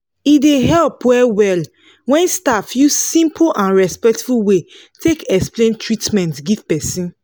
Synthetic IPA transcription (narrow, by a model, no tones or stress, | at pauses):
ideɦɛlpwɛwɛl | wɛ̃nstafjussĩmpʰʔãnɹɛspɛk̚tfuwe | tʰekɛksplẽntʰɹitmɛ̃ntɡiv̥pɛsĩn